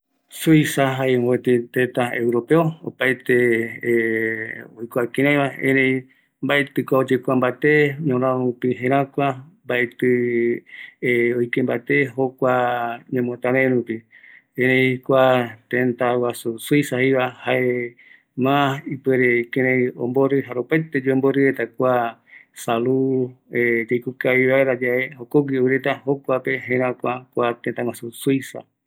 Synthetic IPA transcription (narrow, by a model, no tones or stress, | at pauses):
sujsaɦaẽet̪it̪ẽt̪aḛwɾopeoo̰pajt̪e | ojkʷakĩɾ̃ãj̃βaẽɾẽj | mbaet̪ɨkʷaod͡ʒekʷambat̪eɲõɾãupiɦẽɾ̃ãkʷambaʔet̪ɨ | ojkembat̪eɦokʷaɲẽmõt̪ãɾeɾupiẽɾẽikʷat̪ẽnt̪awasusujsahiβahaʔe | mãipeɾekẽɾ̃ẽj̃o̰mboɾɨɦaɾopajt̪ed͡ʒuemboɾɨɾet̪akʷasalued͡ʒejkukaiβaeɾad͡ʒaehokoɡioɾet̪ahokʷapeɦẽɾ̃ãkʷakʷat̪ẽnt̪awasusujsa̰